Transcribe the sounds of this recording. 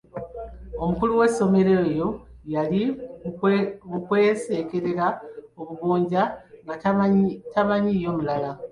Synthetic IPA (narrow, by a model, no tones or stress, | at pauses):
o̞mukuluwe̞so̞me̞ɾe̞ːjo̞jali | βukwe̞ːse̞ːke̞ɾe̞ɾaoβuβuːɲɟaŋɡa | tamaɲijo̞mulala